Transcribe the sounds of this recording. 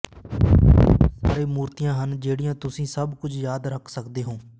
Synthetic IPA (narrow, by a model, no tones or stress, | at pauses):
sa̰ːɾeːmuːɾt̪ijãːɦənd͡ʒeːɽijãːt̪ʊsĩːsəbkʊd͡ʒjaːd̪ɾəkʰsəkd̪eːɦõː